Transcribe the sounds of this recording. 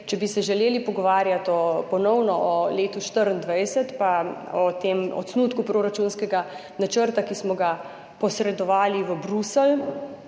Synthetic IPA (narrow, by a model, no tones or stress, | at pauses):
t͡ʃɛbisɛʒɛleːlipɔɡɔʋaːɾjat̪ɔpɔnɔwnɔʔɔleːt̪uʃt̪əɾənd̪ʋɛjsɛt̪paɔt̪emɔ̰t̪snuːt̪kupɾoːɾat͡ʃunskɛɡa | nat͡ʃəɾt̪akismɔɡa | pɔsɾɛd̪ɔʋaːliʋəbɾusɛl